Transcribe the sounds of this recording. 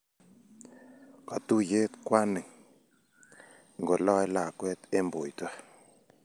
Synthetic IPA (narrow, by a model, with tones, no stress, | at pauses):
ka˨t̪u˦je˦t̪kwa˦nɪ˨ŋ˨ | ŋɡo˨lɔ˦ɛ˦la˨kwɛ˦t̪e˦mbo˨jtwa˦